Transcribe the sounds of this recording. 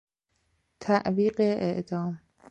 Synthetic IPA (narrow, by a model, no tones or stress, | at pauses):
t̪ʰæʔviːɢeʔeʔd̪ɒːm